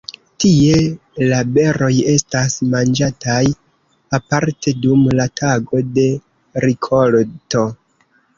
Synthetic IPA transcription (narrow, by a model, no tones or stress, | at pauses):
tie̞ | labe̞ɾo̞je̞stasmand͡ʒataj | apaɾte̞dumlatʰaɡo̞de̞ | ɾikʰolto̞